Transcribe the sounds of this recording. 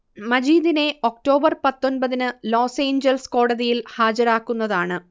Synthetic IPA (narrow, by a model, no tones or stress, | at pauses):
mɐd͡ʑiːd̪ine̞o̞k̚ʈo̞ːbɐrpɐt̪ːo̞nbɐðinɨlo̞ːse̞ːɲd͡ʑɐlsko̞ːɽɐðijilhaːd͡ʑɐɾaːkːunːɐðaːɳɨ